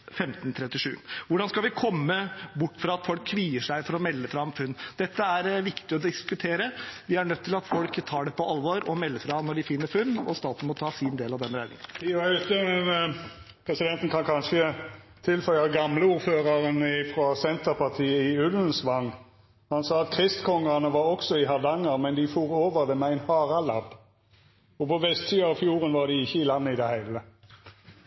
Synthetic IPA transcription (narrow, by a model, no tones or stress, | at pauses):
fɛmt̪nt̪ʰɾɛt̪ːɪʂʉ̰ːʋʊɖɑnskɑlʋɪkʰɔmːəbʊʈːfɾɑɑt̪fɔlkʰːʋiːəʂæɪfɔɾɔmɛlːəfɾɑmfʉnːd̪̥ɛt̪ːəæɾʋɪkt̪ɪɔd̪ɪskʉt̪ʰeːɾəʋɪæɳœt̪ʰːɪlɑt̪fɔlkt̪ʰɑːɖɛpɔʔɑlʋoɾɔmɛlːəfɾɑnɔɖɪfɪnːəɾfʉnːɔst̪ɑːt̪n̩mɔt̪ʰɑːsɪnd̪eːlɑʋd̪ɛnɾæɪd̪ɪ̰ŋənøt̪ːəmɛn | pʰʁɛsɪd̪ɛnt̪n̩kʰɑnkʰɑnʃə | t̪ʰɪlfœʏɑɡɑmləuːɾføːʁɑʁənɪfʁɑsɛnt̪əʁpɑʁt̪ʰiːəɪʉlən̩sʋɑŋ | hɑnsɑːɑt̪kʰʁɪst̪kʰɔŋːɑʁnəʋɑʁɔksɔɪɦɑʁd̪ɑŋːəʁmɛnd̪ɪfuːʁoːʋəʁd̪ɛmɛæɪnhɑːʁɑlɑb | ɔpʰɔʋɛst̪siːɑɑʋfjuːʁənʋɑʁd̪ɪɪçːəɪlɑnːəɪd̪ɛhæɪlə